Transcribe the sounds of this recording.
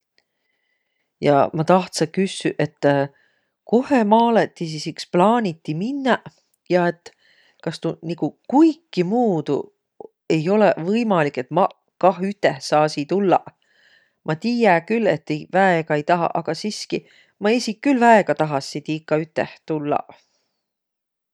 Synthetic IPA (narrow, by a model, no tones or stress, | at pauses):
jɑ̰mɑt̪ɑht̪sekysːyʔe̞t̪ː | ko̞he̞mɑːlet̪ːisisiksplɑːnʲit̪ːiminːɑ | jɑe̞t̪ːˑ | kɑst̪unikukujkˑːimuːd̪̥ṵ | e̞jo̞levɤjmɑlikːˑe̞t̪mɑ | kɑɦyt̪ːˑehsɑːsit̪ulːɑ̰ | mʔɑt̪iːjækyle̞t̪ːejvæeɡ̥ɑejt̪ɑɦɑ̰ʔɑɡ̥ɑsiski | mɑesʲikːylvæeɡ̥ɑt̪ɑɦɑsːit̪ikːˑɑyt̪ːˑeht̪ulːɑ̰